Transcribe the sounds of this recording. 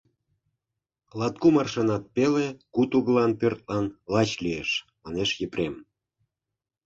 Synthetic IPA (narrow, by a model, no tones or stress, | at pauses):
lɑt̪̚kumɑrʃenɑt̪̚pelekut̪uɣəlɑnpørt̪̚lɑnlɑt͡ɕlijeʃ | mɑneʃjəprʲem